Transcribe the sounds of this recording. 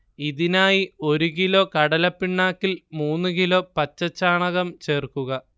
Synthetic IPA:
iðinaːjio̞ɾuk̬ilo̞ːkɐɽɐlɐpːiɳːaːkːilmuːnːɨkilo̞ːpɐt͡ɕːɐt͡ɕːaːɳɐɣɐmt͡ɕe̞ːrkuɣɐ

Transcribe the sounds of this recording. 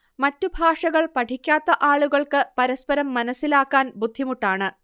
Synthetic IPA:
mɐtːubʱaːʂɐɣɐɭpɐʈʰikʲːaːt̪ːɐʔaːɭuɣɐɭkɨpɐɾɐspɐɾɐmːɐnɐsːilaːkːaːnbud̪ʱːimuʈːaːɳɨ

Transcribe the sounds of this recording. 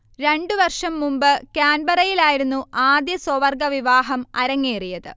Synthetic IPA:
ɾe̞ɳɖɨʋɐrʂɐmːumbɨkaːnbɐrɐjilaːjiɾunːuaːd̪jɐsoʋɐrɡɐʋiʋaːɦɐmɐɾɐŋːeːrijɐðɨ̰

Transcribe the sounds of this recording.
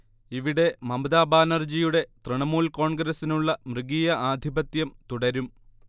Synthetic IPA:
iʋiɽe̞mɐmɐd̪aːbaːnɐrd͡ʑijuɽe̞t̪rɨɳɐmuːlko̞ːɳɡɾɐsinuɭːɐmrɨɡiːjɐʔaːd̪ʱibɐt̪jɐmt̪uɽɐɾum

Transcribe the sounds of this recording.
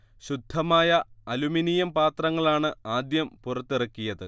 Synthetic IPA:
ɕud̪ʱːɐmaːjɐɐluminijɐmpaːt̪rɐŋːɐɭaːɳɨaːd̪jɐmpurɐt̪ːirɐkːijɐðɨ

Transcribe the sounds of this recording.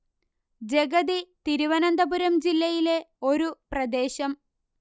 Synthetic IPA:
d͡ʑe̞ɡɐd̪it̪iɾuʋɐnɐnd̪ɐbuɾɐmd͡ʑilːɐjile̞o̞ɾuprɐd̪e̞ːɕɐm

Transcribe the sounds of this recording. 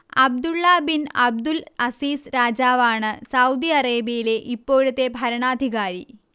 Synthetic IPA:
ɐb̚d̪uɭːɐbinɐb̚d̪ulɐsiːsɾaːd͡ʑaːʋaːɳɨsɐwd̪iɐreːbijile̞ʔipːo̞ːɻut̪ːe̞bʱɐɾɐɳaːd̪ʱiɣaːɾi

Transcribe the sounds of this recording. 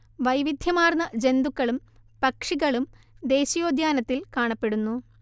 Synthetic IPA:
ʋɐjʋid̪ʱjɐmaːrnɐd͡ʑe̞nd̪ukːɐɭumpɐkʂiɣɐɭum | d̪e̞ːɕijo̞ːd̪ʱjaːnɐt̪ːilkaːɳɐpːe̞ɽunːu

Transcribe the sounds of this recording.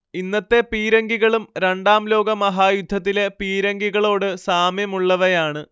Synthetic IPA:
inːɐt̪ːe̞piːɾɐŋɡiɣɐɭumɾeɳɖaːmlo̞ːɡɐmɐɦaːjud̪ʱːɐt̪̬ːilepiːɾɐŋɡiɣɐɭo̞ːɽɨsaːmjɐmuɭːɐʋɐjaːɳɨ

